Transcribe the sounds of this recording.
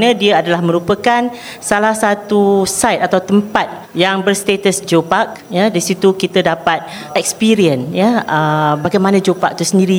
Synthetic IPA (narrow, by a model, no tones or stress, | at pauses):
nə̃diəadalahmə̃ɾupəkan | salahsat̪usajt̪̚at̪awt̪əmpat̪̚ | jaŋbərst̪et̪əsd͡ʒopak̚jadisit̪ukit̪ədapat̪̚ | ɛk̚spiɾiənjaəbaɡajmanə̃d͡ʒopak̚t̪usəndiɾi